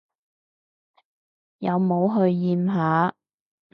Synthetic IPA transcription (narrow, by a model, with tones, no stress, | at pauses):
jɐ˨˧wmo˨˧wɦɵ˧ɥjiː˨˧mɦaː˨˧˥